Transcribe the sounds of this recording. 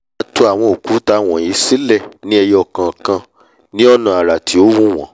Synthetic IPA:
a˧tu˧a˨w̃ɔ̃˧o˨ku˨˦ta˧w̃ɔ̃˨ji˨˦si˦lɛ˦˨nĩ˦ɛ˧jɔ˧˨kã˨kã˧ | nĩ˦ɔ˦nã˨a˨ɾa˨tʰi˨˦o˦wũ˦w̃ɔ̃˨˦

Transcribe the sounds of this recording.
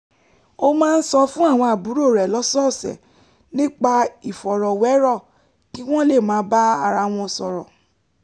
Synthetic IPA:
o˦mãː˦n̩˦sɔ˧fũ˦a˦˨w̃ɔ̃˧a˨bu˨˦ɾo˦˨ɾɛ˨lɔ˨˦sɔ˦˨sɛ̰˨ | nĩ˦k͡pa˧i˨fɔ˨ɾɔ˨wɛ˨˦ɾɔ˦˨ | ki˦w̃ɔ̃˦le˦˨mãː˨˦ba˦a˧ɾa˧w̃ɔ̃˧˨sɔ˧ɾɔ̰˨

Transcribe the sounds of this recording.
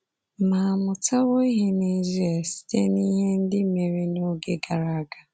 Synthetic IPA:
ma˨mʊ˨ta˦ɣo˦ɦe˦ne˨za˨si̥˦˨te˦ni˦ɦe˦n̩˦dɪ˦me˨ɾe˦no˦ɡe˦ɡa˨ɾa˨˦ɡa˨

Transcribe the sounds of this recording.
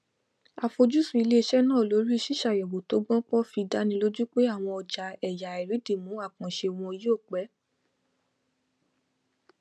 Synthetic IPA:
a˧fo˧d͡ʒu˦sũ˦˨i˧le˦˧ʃɛ˦nãː˦˨lo˨˦ɾi˦˧ʃi˦ʃa˨jɛ˨wo˨to˨˦ɡ͡bɔ̃˦k͡pɔ˦fi˧da˦nĩ˧lo˦d͡ʒu˦k͡pe˦a˦˨w̃ɔ̃˧ɔ˨d͡ʒa˨ɛ˨ja˨i˨ɾi˨˦di˦˨mũ˨˦a˦˨kɔ̃˨ʃe˧˨w̃ɔ̃˧i˧˦jo˦˨k͡pɛ˨˦

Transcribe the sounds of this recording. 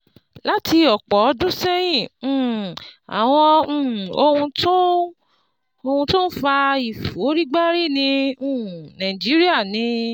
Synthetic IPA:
la˦ti˧ɔ˨k͡pɔ˨˦dũ˦sɛ˦j̃ĩ˦˨a̰˨w̃ɔ̃˧˨o˧hũ˧to˦ | o˧hũ˧to˦n̩˦fa˧i˨fo˨˦ɾi˦ɡ͡ba˦ɾi˦˨nĩ˧ũ˦˨nã˨d͡ʒi˨˦ɾi˦a˦˨nĩ˨˦

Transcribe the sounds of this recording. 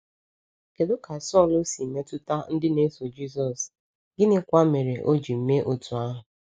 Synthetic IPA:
ke˨do˦ka˨sɔ˦˨lo˦si˨m̩˨me˦tʊ˦ta˦n̩˦dɪ˦ne˦so˨d͡ʒi˦s̬ɔ˨s | ɡɪ˦nɪ˦kʷa˦me˨ɾe˨ʔo˦d͡ʒi˨m̩˦me˦ʔo˨tu˨a˦ɦʊ˨

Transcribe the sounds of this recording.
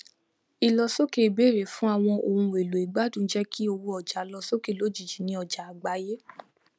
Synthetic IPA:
i˨lɔ˧so˦ke˨be˦˨ɾe˨fũ˦a˧˨w̃ɔ̃˧o˨ũ˧˨e˨lo˨i˨ɡ͡ba˨˦dũ˦˨˦d͡ʒɛ˦kʰi˦o˧wo˧ɔ˨d͡ʒa˨lɔ˧so˦ke˦˨lo˨˦d͡ʒi˨d͡ʒi˨nĩ˧ɔ˨d͡ʒa˨a˨ɡ͡ba˨˦je˦

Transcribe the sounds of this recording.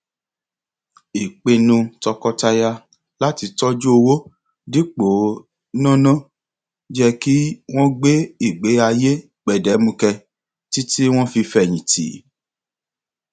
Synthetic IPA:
i˨k͡pe˧nũ˧tɔ˧kɔ˧ta˧ja˧ | la˦ti˧tɔ˦d͡ʒu˦o˧wo˦ | di˦k͡po˨˦ | nã˦nã˦˨ | d͡ʒɛ˦ki˦w̃ɔ̃˦ɡ͡be˦i˦˨ɡ͡be˨˦a˧je˦ | k͡pɛ˨dɛ˨˦mũ˧kɛ˧ | ti˦ti˦w̃ɔ̃˦fi˧fɛ˨j̃ĩ˨tḭ˨˦

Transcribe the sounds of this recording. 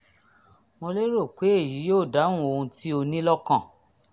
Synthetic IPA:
mo˧le˦ɾo˦˨k͡pe˨˦e˦˨ji˨˦joː˦˨da˨˦nũ˦o˧hũ˧ti˦o˧nĩ˦lɔ˦kã˦˨

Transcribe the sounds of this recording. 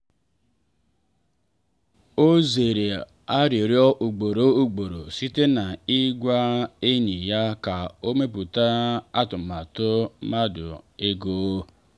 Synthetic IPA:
o˦ze˨ɾe˨ | a˦ɾi˨ɾjɔ˦ʔu˨ɡ͡bo˨ɾo˦u˦ɡ͡bo˨ɾo˨si˦te˦na˨i˦ɡʷa˦e˦ɲi˨ja˦ka˨o˦me˦p̬u˨ta˦a˦tʊ˨ma˨tʊ˦ma˦dʊ̰˨e˦ɡo˨o˦

